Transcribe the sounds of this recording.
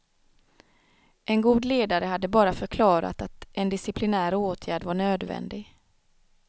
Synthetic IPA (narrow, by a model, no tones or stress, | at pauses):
ʔɛnɡuːd̪leːd̪aɾəhad̪ːəbɑːɾafœɾkʰlɑːɾa̰t̪at̪ʔɛnd̪ɪsɪpʰlɪnæːɾoːt̪ʰjæːɖvaɳøːd̪vɛ̰nd̪ɪɡ